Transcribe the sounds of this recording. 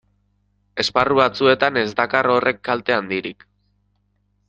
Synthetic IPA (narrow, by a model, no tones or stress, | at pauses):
e̞sparuβat͡sue̞t̪ane̞zd̪akaro̞re̞kːalt̪e̞and̪iɾik